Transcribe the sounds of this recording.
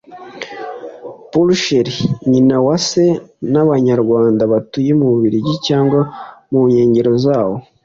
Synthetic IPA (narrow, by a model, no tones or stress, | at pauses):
pulʃeɾiɲinawase̞naβaɲaɾɡwaːndaβatujemuuβiɾiɟicaːŋɡwamuɲe̞ːɲɟe̞ɾo̞zaːho